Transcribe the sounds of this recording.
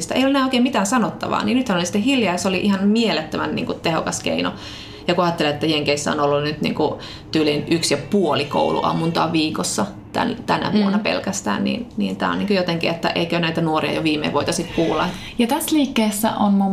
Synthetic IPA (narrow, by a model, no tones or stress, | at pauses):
st̪ɑʔḛiolenæːoikeːmit̪æːnsɑnot̪ːɑʋɑ̰ːniːnyt̪hænolisi̥t̪ːehiljɑjɑseoliʔihɑnmielet̪ːømænnḭːŋkut̪eho̰kɑskḛino̰ | jɑkuɑt̪ːeliet̪ːæjeŋkeisːæ̰o̰nolːunnyt̪nḭːŋku | t̪yːlinʔyksjɑpuoliko̰ulṵʔɑ̰munt̪ɑːʋʋiːkosːɑ | t̪æ̰nt̪ænæ̰ʋuonɑpḛlkæst̪æ̰ːnnḭnniːnt̪æ̰ːo̰niːŋkojot̪eŋkiet̪ːæ̰ʔeikønæit̪ænuoriɑ̰joʋiːmḛiʋoit̪ɑsikkuːlːɑ̰ | jɑt̪æsliːkːeːsːæ̰ʔonmo